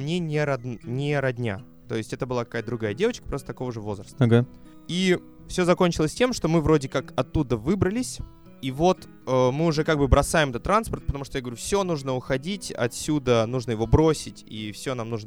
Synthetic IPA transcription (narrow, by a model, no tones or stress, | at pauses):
mnʲenʲeɾɐd̪nʲɪɾɐdʲnʲa̰ | t̪o̞̰ɪsʲtʲɛt̪əbɨlˠakɐ̥kajt̪əd̪ɾʊɡajədʲe̞vət͡ɕkə̥pɾost̪ət̪ɐko̞vəʐɨvo̞zrəst̪ɡa | i | fsʲo̞zɐko̞nʲt͡ɕɪlˠəsʲtʲe̞mʂt̪o̞mɨvɾo̞dʲɪkakɐt̪ːud̪əvɨbɾəlʲɪsʲ | ivo̞t̪ | əmɨʊʐɛkaɡ̚bɨbɾɐsajɪmɛt̪ət̪ːɾanspərt̪̚pət̪ɐmuʂt̪ojaɡəvɾʲufsʲo̞nuʐnəʊxɐdʲitʲɐ̰t̪sʲud̪ənuʐnəjɪvo̞bɾo̞sʲɪtʲḭfsʲo̞namnuʐnə